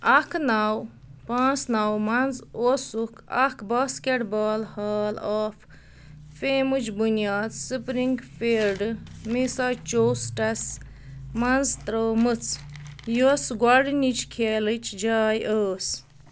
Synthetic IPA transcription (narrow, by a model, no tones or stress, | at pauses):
ɐkʰnaw | pãːnt͡snawmɐnzosukʰɐkʰbaːskeʈbaːlhaːlaːfʰ | feːmut͡ʃbunijaːd̪sɨpɾiŋɡfʰiɾɖmisat͡ʃoːsʈɐs | mɐnzt̪ɾoːmɨt͡sʰjusɡwaɾɖnit͡ʃʰkʰeːlɨt͡ʃd͡ʒaːjʔoːs